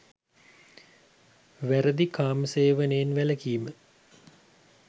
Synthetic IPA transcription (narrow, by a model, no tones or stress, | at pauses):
ʋæɾəd̪ikaːməseːʋəneːnʋæləkiːmə